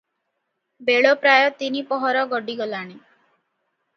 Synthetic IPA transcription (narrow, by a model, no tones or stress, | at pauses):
beɭopɾajɔt̪inipɔɦɔɾɔɡɔɖiɡɔlaɽ̃i